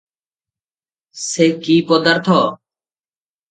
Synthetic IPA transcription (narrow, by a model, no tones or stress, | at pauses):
sekipɔd̪aɾt̪ʰɔ